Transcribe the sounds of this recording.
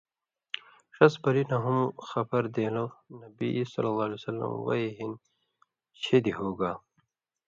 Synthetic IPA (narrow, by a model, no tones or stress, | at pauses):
ʂɐsbɐɾinaɦumxɐpɐɾd̪eːlonɐbisɐ̰lːɐlˠːaːlesɐlːɐ̰mwɐ̰iɦin | t͡ɕʰed̪iɦoːɡaː